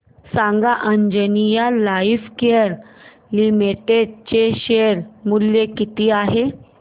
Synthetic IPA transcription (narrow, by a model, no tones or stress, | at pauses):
sãŋɡaʔəɲd͡ʑənijalaifkeəɾ | limiʈeɖ̚t͡ɕeɕeəɾmuljekit̪iːaɦe